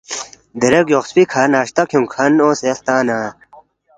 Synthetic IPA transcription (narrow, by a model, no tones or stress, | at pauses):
d̪eɾɐkjoxspikʰanaːɕt̪akʰjũŋkʰɐnoːsext̪aːna